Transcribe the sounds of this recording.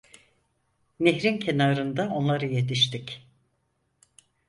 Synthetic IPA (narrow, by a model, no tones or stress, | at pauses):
neɦɾincʰe̞naːɾɯnd̪ao̞nlˠaɾɯje̞t̪ʰiʃt̪ic